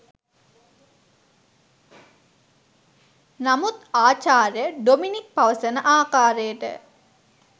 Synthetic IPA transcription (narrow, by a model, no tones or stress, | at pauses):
namut̪aːt͡ʃaːɾjəɖominik̚pɐʋəsənəʔaːkaːɾejəʈə̰